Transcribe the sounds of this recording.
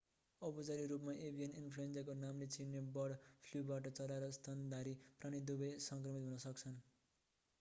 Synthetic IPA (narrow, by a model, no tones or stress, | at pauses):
ʌpud͡zaɾiɾupmaʔebʱijʌninpʰluend͡zakonamlet͡sinjebʌɽpʰljubaʈʌt͡sʌɾaɾʌst̪ʰʌnd̪aɾipraɽ̃id̪ubʌjsʌŋkrʌmit̪ɦunʌsʌk̚t͡sʰʌn